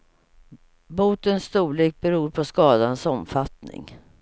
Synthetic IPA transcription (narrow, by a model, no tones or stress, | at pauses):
buːt̪ənst̪uːɭeːk̚bɛɾuːɾpʰɔskɑːd̪ansɔmfat̪nɪ̰ŋ